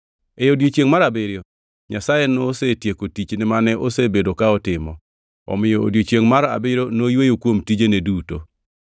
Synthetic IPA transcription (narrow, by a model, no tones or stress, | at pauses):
ejodjot͡ʃjeŋmaɾabɪɾjo | ɲasajɛnɔsetjekotit͡ʃnɪmanɛʔosebedokaɔtɪmɔ | ɔ̰mɪjoo̰djot͡ʃeŋmaɾa̰bɪɾonojwejokwomtid͡ʒeneduto̰